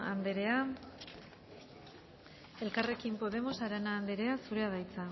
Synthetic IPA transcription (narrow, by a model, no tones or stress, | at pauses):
a̰nd̪eɾe̞a | e̞lkare̞kimpo̞ð̞e̞mo̞saɾanaːnd̪e̞ɾe̞asuɾe̞að̞ajt͡sa